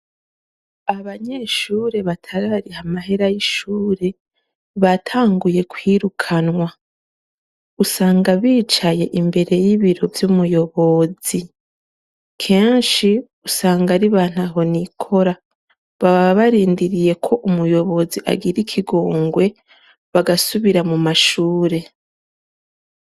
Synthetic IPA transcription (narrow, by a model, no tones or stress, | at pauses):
aβaɲeʃuːɾe̞βatʰaɾaɾihamaɦe̞ɾajiʃuːɾe̞ | βatʰaːŋɡuje̞kwiɾukʰanŋwa | usaːŋɡaβiːt͡ʃaje̞ʔimbe̞ɾe̞jiβiɾo̞vjumujo̞βo̞z̥i | kʰe̞ːnʃi | usaːŋɡaɾiβaːn̥aɦo̞nikʰo̞ɾa | βaβaaβaɾiːndiɾije̞kʰo̞ʔumujo̞βo̞ziʔa̰ɡiɾikʰiɡo̞ːŋɡwe̞ | βaɡasuβiɾamumaʃuːɾe̞